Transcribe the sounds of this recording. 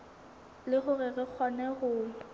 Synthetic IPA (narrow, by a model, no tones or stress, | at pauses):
lɪɣʊrɪrɪk͡xʰwanɛɣʊː